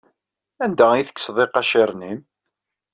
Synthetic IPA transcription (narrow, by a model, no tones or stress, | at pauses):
ænd̪æiθə̥kːsðˤeqːɑʃeɾˤnim